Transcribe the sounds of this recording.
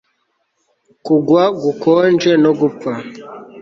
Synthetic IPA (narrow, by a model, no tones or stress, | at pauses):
kuɡwaɡukɔnd͡ʒenoɡup͡fa